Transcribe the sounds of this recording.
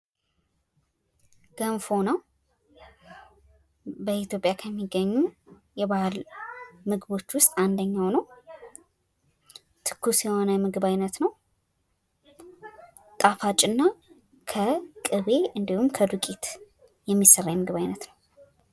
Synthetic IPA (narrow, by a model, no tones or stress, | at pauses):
ɡ̥əmfo̞nəw | bəit̪jo̞pʼjakʰəmːiɡːəɲːu | jɛβalmɨɡɨbo̞t͡ʃːwʊst̪ʼand̪əɲːawnəw | t̪ʰɨ̥kʰːusjɛho̞nəmɨɡɨbajnət̪nəw | t̪ʼafat͡ʃʼɨnːa | kʰəkʼɨβe̞ɨnd̪ihumkʰəd̪ukʼit̪ | jɛmːisːərːajɛmɨɡɨβajnət̪nəw